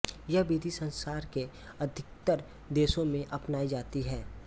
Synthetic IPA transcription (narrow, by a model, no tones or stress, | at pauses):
jɐɦbiːd̪ʱisə̃nsaːɾke | ɐd̪ʱɪk̚t̪əɾ | d̪eːʃõmẽʔɐpnaːid͡ʒaːt̪iɦɛː